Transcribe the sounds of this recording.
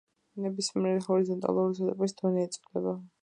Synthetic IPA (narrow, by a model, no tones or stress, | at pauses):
nɛbismiɛɾɛhɔɾizɔnt̪ʼa̰lˠuɾisʰɔt̪ʼɛpʼisd̪̥ɔnɛːt̪sʼlɛba